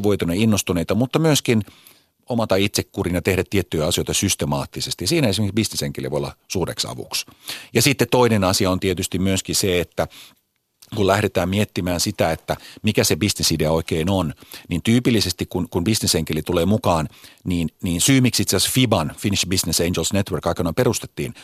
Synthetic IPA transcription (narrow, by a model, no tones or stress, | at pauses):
ʋoit̪unɑinːost̪uneit̪ɑmut̪ːɑmyøskin | omɑt̪ɑit̪sekːurinɑt̪ehɾæt̪ːiet̪ːyjɑsijoˑjt̪ɑsyst̪emɑ̰ːt̪ːisest̪ijɑsiːnæesimekiksbisnesheŋkelḭʋo̰jolːɑ̰suːɾḛksɑ̰ʋṵksjɑsit̪ːett̪oinenɑsiɑont̪iet̪yst̪immyøskiseet̪ːæ | kulæhɾet̪æːmmiet̪ːimæːnsit̪æet̪ːæmikæsebisnesideɑoikeːnonnint̪yːpilːisest̪ikkunkunbisnesheŋkelit̪uleːmukɑːnniːnniːnsyːmiksit̪seɑsfibɑnfiniʃbisneseind͡ʒelsnet̪ʋørkɑikːɑnoimperust̪e̥t̪ːiːn